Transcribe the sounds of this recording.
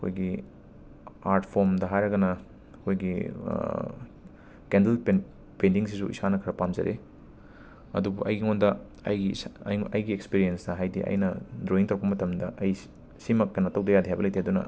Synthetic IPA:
ɐkʰo̰jɡi | aɾtpʰoɾmdɐɦajɾɐɡɐnɐ | kʰojɡi | kendelpe | pendiŋs̬isuʔḭsanɐkʰɐɾɐpamzɐ̰ɾʔḛ | ɐ̰dubṵʔɐjɡiŋondɐ | ɐ̰jɡiɐjɡiekspiɾijensdɐɦajdḭʔɐ̰jnɐdɾoiŋtɐwkpɐmɐtɐmdɐʔɐj | simɐk̚tɐnɐtɐwdɐjadiɦajbɐlɐjtʰeɐdunɐ̰

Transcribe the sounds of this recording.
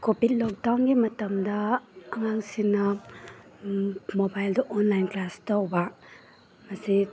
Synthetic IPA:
kobit̚lɔk̚dawnɡimɐtɐmdɐːŋaŋsinːɐ | mobajldɐʔɔnlajnklastawba | masi

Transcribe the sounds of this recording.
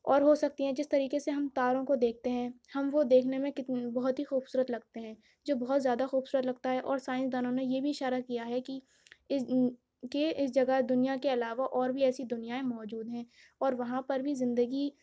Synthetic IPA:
ɔːɾɦosɐk̚t̪iɦɛ̃d͡ʒɪst̪ɐɾiːkeseɦɐmt̪aːɾõkod̪eːk̚ʰt̪eɦɛ̃ | hɐmʋod̪eːkʰnemẽkɪt̪bɐɦʊt̪ɦixuːb̥suːɾət̪lɐɡ̚t̪eɦɛ̃ː | d͡ʒoːbɐɦʊt̪zjaːd̪axuːb̥suːɾət̪lɐɡ̚t̪aɦɛʔɔːɾsaːɪ̃nsd̪aːnõnejebʱiɪʃaːɾakijaɦɛki | ɪ | keɪsd͡ʒɐɡad̪ʊnijakeɐlaːʋaʔɔːɾbʱiɛːsid̪ʊnijaẽmɔːd͡ʒuːd̪ɦɛ̃ː | ɔːɾʋɐɦãpɐɾbʱizɪ̃nd̪əɡi

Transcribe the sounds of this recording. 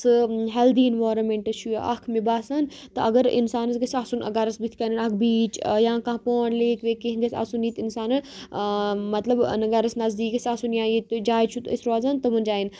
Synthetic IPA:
sɨɦɛld̪inʋaːɾɐmẽɳʈɐt͡ʃʰuʔɐkʰmibaːsɐn | t̪ɨɐɡɐɾḭnsaːnɐsɡɐsʲaːsunʔɐ̰ɡɐɾɐsbit̪ʰʲkɐninɐkʰbiːt͡ʃjãːkãːpoːɳleːkʰʋeːkiɦɡɐsʲɐ̰suniːt̪insaːnɨ | mɐt̪lɐbnɨɡɐɾɐsnɐzd̪iːkɐsʲasunjãːjit̪d͡ʒaːjt͡ʃʰut̪ə̰sʲɾoːzaːnt̪ɐmɨnd͡ʒaːin

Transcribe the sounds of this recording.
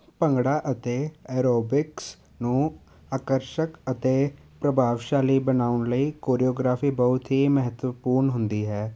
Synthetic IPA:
pəŋɡɽaːʔət̪eːɛːɾoːbɪks | nũː | aːkəɾʃəkət̪eː | pɾəbʱaːʋʃaːliːbənaːʊnləiːkoːɾijoːɡɾaːpʰiːbəʊt̪ɦiːməɦət̪ʋəpuːɾnɦʊnd̪iːɦɛː

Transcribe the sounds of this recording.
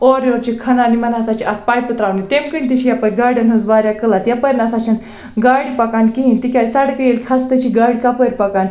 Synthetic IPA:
oɾoɾt͡ɕikʰɐnanimɐnasat͡ɕiʔat̪̚pajpət̪ɾaʋnit̪emkənʲt̪it͡ɕʰijapəɾʲɡaɾɽənɦəzʋaɾjakəlat̪japəɾʲnasat͡ɕʰan | ɡaɽipakankiɦint̪ikʲajsaɽkəjeɽkʰast̪ət͡ɕiɡaɽkapəɾʲpakan

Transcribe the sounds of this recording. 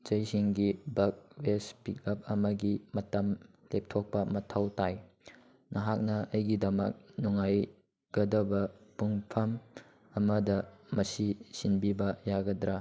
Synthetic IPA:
d͡ʒɐjsiŋɡibɐk̚wespikɐp̚ɐmɐɡimɐtɐm | lep̚tʰok̚pɐmɐtʰawtaj | nɐɦak̚nɐɐjɡidɐmɐk̚nuŋaj | ɡ̥ɐdɐbɐpuŋpʰɐm | ɐmɐdɐmɐsisinbibɐjaɡɐdɾa

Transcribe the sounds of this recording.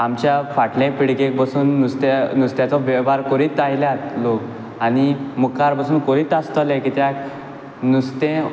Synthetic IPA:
amt͡ɕjafaʈlẽpiɽkek̚bəsuːnːust̪anust̪jãt͡sɔʋɛbaɾkɔɾiːt̪ajljãt̪lok | animukaɾbasuːnkɔɾiːt̪ast̪əlɛ̃kit̪ja | nust̪ẽ

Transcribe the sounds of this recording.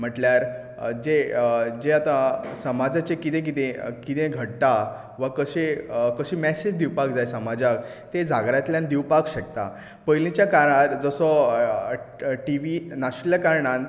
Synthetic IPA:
m̤əʈljaɾ | d͡ʑed͡ʑeat̪ãsəmad͡zat͡ɕekit̪ẽk̬it̪ẽkit̪ẽɡʱəɽt̪a | ʋakəɕekəɕiːmɛsed͡ʑd̪iwpakd͡zajsəmad͡zak̚t̪ed͡zʱaɡɾat̪ljãnd̪iwpakɕəkt̪a̰ | pəjlĩt͡ɕjakaɾãt̪d͡zɔsɔ | ʈiʋinaɕljakaɾɳan

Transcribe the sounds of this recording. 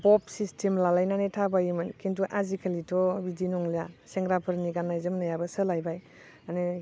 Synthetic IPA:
bɔpsistʰemlalajnanetʰabajimɯnkintuʔazikʰalitʰɔbidinɔŋlijaseŋɡɾapʰɯɾniɡanːajzɯmnajabəsəlajbaj | ane

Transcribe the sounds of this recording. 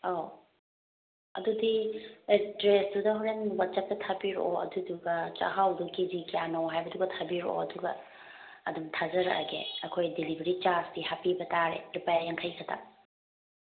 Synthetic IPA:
o | ɐ̰dudiedɾesdudɐɦuɾenwat̚t͡ʃɐp̚tɐtʰabiɾo̰ɐ̰duduɡɐt͡ʃa̰ɦawdukizikijanowɦajbɐduɡɐtʰabiɾo̰ɐduɡɐ | ɐdumtʰazɐɾɐ̰ʔɡḛɐkʰojdilibʱeɾit͡ʃasdihapibɐtaɾelupajajaŋkʰajkʰɐtʰa̰

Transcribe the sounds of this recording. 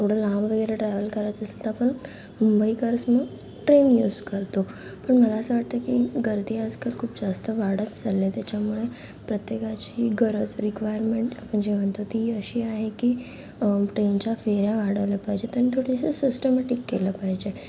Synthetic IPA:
t̪ʰoɽ̤əlamʋəɡəɾeʈɾɛʋəlkəɾat̪əslt̪aapəɳ | mumbəikəɾəsməɡ | ʈɾenjuːzkəɾt̪opəɳməlaːsəʋaʈ̚t̪əkiɡəɾd̪iad͡zkəɾkʰuːpd͡zast̪əʋaɽət̪d͡zalːet̪jat͡ɕamuɭe | pɾət̪jekat͡ɕiɡəɾət͡sɾikʋajəɾmeɳʈapəɳd͡ʑeʋəɳt̪ot̪iəɕiːaɦeki | ʈɾent͡ɕafeɾjaʋaɽəʋljapaɦd͡ʑet̪janit̪ʰoɽissisʈəmeʈikːḛləpaɦd͡ʑe

